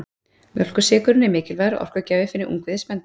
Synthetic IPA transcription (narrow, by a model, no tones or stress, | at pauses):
mjœl̥kʏsɛːkʏɾʏnɛɾmɪːcɪlvajɾɔ̰ʔɔ̰r̥kvœcaːvɪfɪnɪʔṵŋkvɪðɪspɛnt̪ɪ̥